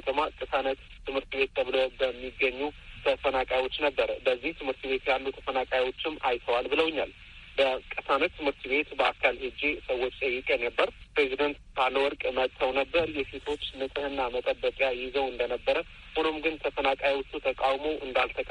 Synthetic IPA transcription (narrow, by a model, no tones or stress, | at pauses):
ot̪ʰəmakʼɨsanət̪ːʰɨmhɨɾt̪be̞t̪̚t̪ːʰəβlobəmːiɡːəɲːut̪ʰəfənakʼajwo̞t͡ʃːnəbːəɾbəzːiht̪ʰɨmhɨɾt̪be̞t̪jalːut̪ʰə̥fənakʼajwo̞t͡ʃːɪmːajt̪ʰəwalbɨləwɲːal | bəkʼɨsanət̪t̪ʰːɨmhɨɾt̪be̞t̪bəakʰalhɨd͡ʒesəwːo̞t͡ʃːt̪ʼəjːɪkʼenəbːəɾpɾe̞zid̪ənt̪b̥alːəwɔɾkʼɨməd̪t̪ʰəwnəbːəɾjɛse̞t̪ʰo̞t͡ʃːmɨt̪ʼɨhɨnːamət̪ʼəbːət͡ʃʼjajɪzəwɨnd̪ənəbːəɾə | hunomɡɨnt̪ʰəfənakʼajwʊt̪ʼːut̪ʰəkʼawmowʔɨnd̪alt̪ʰəkʼ